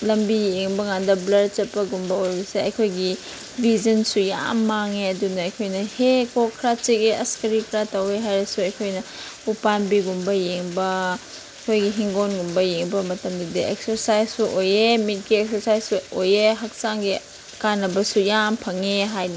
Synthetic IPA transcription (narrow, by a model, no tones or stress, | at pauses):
lɐmbijeŋbɐŋandɐblɐd̚t͡ʃɐt̚pːɐɡumbɐojbɐseɐjkʰojɡi | bʱizɐnsuja̰mːaŋeɐdunɐːjkʰojnɐhekokʰɾatikeʔɐskɐɾikɾatɐweɦajɾɐsuɐjkʰojnɐ | upanbiɡumbɐjeŋbɐ | ɐjkʰojɡiɦiŋɡonɡumbɐjeŋbɐmɐtɐmdɐdieksɐɾsajsuʔojemit̚ɡiek̚sɐɾsajsojeɦɐk̚saŋɡi | kanɐbɐsujampʰɐŋeɦajnɐ